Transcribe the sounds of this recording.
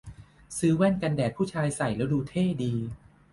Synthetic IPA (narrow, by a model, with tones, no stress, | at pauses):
sɯː˦˥wɛ˥˩nka˧ndɛː˨˩k̚pʰːuː˥˩t͡ɕʰaː˧jsa˨˩jlɛː˦˥wduː˧t̪ʰeː˥˩diː˧